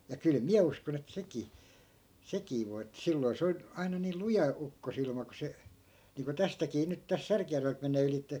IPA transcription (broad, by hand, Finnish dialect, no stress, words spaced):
jɑ kyl miæ uskon et sekiː sekiː ʋoi etːæ̆ silːoi̯ se on ɑinɑ niːl lujɑ ukːosilmɑ ku se niːŋko tæstækiː nyt tæs særkĭjærʋelt menˑeː ylitːe